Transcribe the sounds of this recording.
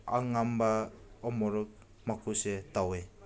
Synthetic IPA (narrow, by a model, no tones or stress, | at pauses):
a̰ŋambaɔmɔɾɔk̚ | makʰusetawe